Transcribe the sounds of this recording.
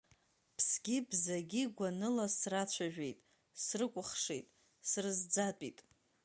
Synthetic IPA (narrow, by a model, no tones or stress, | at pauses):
pʰsɡʲibzaɡʲiɡʷanɨlasrat͡ɕʷʰaʒᶣe̞jtʼ | srɨkʷʼʊχʂḛjtʼ | srɨzd͡zatʼitʼ